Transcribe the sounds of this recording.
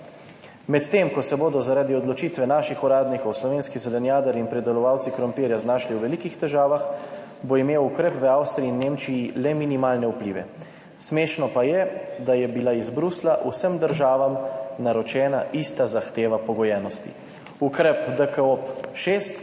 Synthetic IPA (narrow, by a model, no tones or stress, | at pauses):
mɛt̪t̪ːemkɔsɛboːd̪ɔzaɾaːd̪iɔd̪lɔt͡ʃiːt̪ʋɛnaːʃixuɾaːd̪nikɔwslɔʋeːnskizɛlɛnjaːd̪əɾiinpɾɛd̪ɛlɔʋaːwt̪sikɾɔmpiːɾjaznaːʃliwʋɛlikixt̪ɛʒaːʋax | boimeːwukɾɛpʋəawst̪ɾiiːnːeːmt͡ʃijilɛminimaːlnɛuplḭːʋɛ̰ | smeːʃnɔpajɛd̪ajɛbilaizbɾuslaʔusəmd̪əɾʒaːʋamnaɾɔt͡ʃɛːnaʔist̪azaxt̪eːʋapɔɡɔjɛːnɔst̪ḭ | ukɾɛpd̪əkəopʃeːst̪